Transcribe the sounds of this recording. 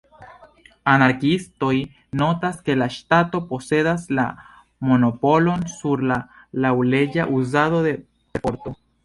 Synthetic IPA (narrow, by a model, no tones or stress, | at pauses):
anaɾkist̪oj | not̪askelaʃt̪at̪oposeðasla̰ | monopolonsuɾla | lawleʝaʔus̬aðoðe | epoɾt̪o